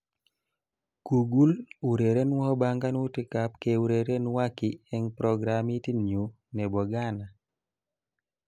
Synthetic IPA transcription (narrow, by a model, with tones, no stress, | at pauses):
ku˨ɡu˦lu˨ɾe˨ɾe˦n˦wɔ˦ba˦ŋɡa˦nu˦ti˦ka˦pke˨u˨ɾe˨ɾe˦nwa˦ki˨ɛ˦ŋpɾɔ˨ɡɾa˨mi˦ti˦nɲu˨ | ne˨bɔ˨ɡa˦na˨